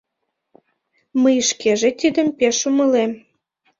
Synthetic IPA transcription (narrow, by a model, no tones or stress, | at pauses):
məjəʃkeʒet̪id̪əmpeʃuməlem